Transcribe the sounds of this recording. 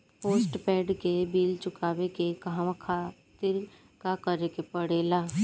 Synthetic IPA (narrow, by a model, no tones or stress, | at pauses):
poːsʈpɛːɖkebiːlt͡ʃʊkaːʋekekaɦʋãkʰa | t̪ɪɾ | kakəɾekepəɽeːlaː